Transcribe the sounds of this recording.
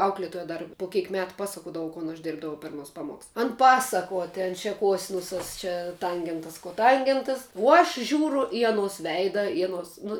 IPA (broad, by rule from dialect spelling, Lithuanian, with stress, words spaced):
ˈɐʊklʲeːtoːjɛ ˈdɐr poː ˈkʲɛɪk ˈmʲæːtʊ ˈpɑːsɐkoːdɐʋʊ koːn ɐʃ ˈdʲeːrbdɐʋɐʊ pʲɛr ɐˈnuɔs ˈpɑːmuɔks ˈɐn ˈpɑːsɐkuɔ tʲɛn t͡ʃʲɛ ˈkoːsʲɪnʊsɐs ˈt͡ʃʲɛ ˈtɐŋʲɡʲɛntɐs koːˈtɐŋʲɡʲɛntɐs oː ɐʃ ˈʒʲuːrʊ ɪ ɐˈnoːs ˈʋʲɛɪdɐ ɪ ɐˈnoːs nʊ